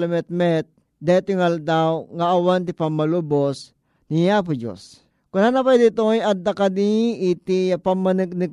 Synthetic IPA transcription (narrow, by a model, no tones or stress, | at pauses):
lɐmɛt̪̚mɛt̪̚ | d̪ɛt̪ʊŋald̪awŋaːwant̪̬ipamːalubos | nijap̬ud͡ʒo̰s | kʊnanapajd̪it̪ojad̪ːakad̪iːt̪ipamːanɨk̚nɨɡ̚